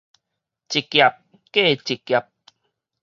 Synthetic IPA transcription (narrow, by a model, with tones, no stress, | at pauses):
t͡ʃi˨kja˨p̚ | ke˦˨t͡ʃi˨kja˨p̚